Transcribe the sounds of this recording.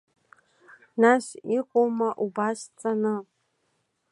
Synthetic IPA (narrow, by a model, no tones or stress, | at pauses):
naʃiqʷʼowmaʔubast͡sʼanɨ